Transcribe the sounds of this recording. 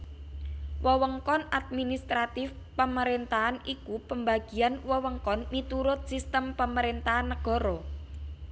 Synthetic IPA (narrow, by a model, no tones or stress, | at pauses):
wɔwəŋkɔnad̪̚minist̪ɾat̪ɪf | pəməɾent̪aɦanikupəmbaɡ̥i̤anwɔwəŋkɔnmit̪uɾʊt̪̚sist̪əmpəməɾent̪aɦanːəɡ̥ɔ̤ɾɔ